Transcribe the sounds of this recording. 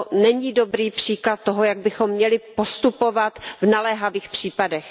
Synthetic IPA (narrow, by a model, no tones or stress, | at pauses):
nɛɲiːdo̞bɾiːpr̝̥iːklat̪̚t̪ːoɦojaɡ̚bɪxomːɲɛlɪpo̞st̪upo̞vat̪vnalɛɦaviːxpr̝̥iːpadɛx